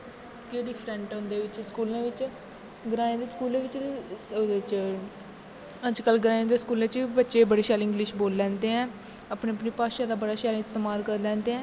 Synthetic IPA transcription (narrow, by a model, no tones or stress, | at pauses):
keːɽiːpʰɾɛ̃ɳʈɦʊ̃nd̪eːʋɪt͡ʃskuːlãːʋɪt͡ʃ | ɡəɾaːẽːd̪eːskuːlẽːʋɪt͡ʃ | et͡ʃ | əd͡ʒkəlɡəɾaːẽːd̪eːskuːlẽt͡ʃːbətːʃeːbəɽeːʃaːlɪ̃ŋɡlɪʃboːlːɛ̃ːnd̪eːɦɛ̃ː | apɳeːəpniːpaːʃãːd̪aːbəɽaːʃaːl̃ːɪst̪eːmaːlkəɾlɛ̃ːnd̪eːɦɛ̃ː